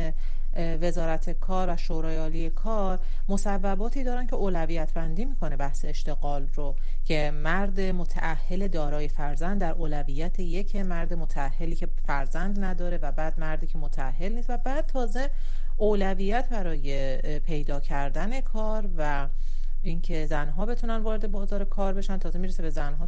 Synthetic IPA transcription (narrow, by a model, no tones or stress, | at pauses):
ve̞zɒːɾæt̪ʰe̞kʰɒːɾvæʃoːɾɒːjeɒːliːjekʰɒːɾ | mo̞sævːæbɒːt̪ʰiːd̪ɒːɾæncʰe̞oːlævijæt̪ʰbænd̪iːmiːkʰo̞ne̞bæhseeʃt̪e̞ɣɒːlro | cʰe̞ | mæɾd̪emot̪ʰæ̰ʔæhːe̞le̞d̪ɒːɾɒːje̞fæɾzænd̪d̪ːæɾʔoːlæviːjæt̪ʰeje̞cʰemæɾd̪emot̪ʰææhːe̞liːcʰe̞fæɾzænd̪næd̪ɒːɾe̞væbæːd̪̚mæɾd̪iːcʰe̞mot̪ʰææhːe̞lniːst̪væbæːd̪̥̚t̪ʰɒːze̞ | oːlæviːjæt̪ʰbæɾɒːje̞ | pʰe̞jd̪ɒːcʰæɾd̪æne̞kʰɒːɾvæ | ʔiŋcʰe̞zænɦɒːbe̞t̪ʰunænd̪vɒːɾed̪e̞bɒːzɒːɾekʰɒːɾbe̞ʃænt̪ʰɒːze̞miːɾesebe̞zænɦɒː